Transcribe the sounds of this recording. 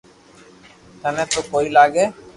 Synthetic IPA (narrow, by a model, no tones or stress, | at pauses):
t̪anet̪okojlaɡe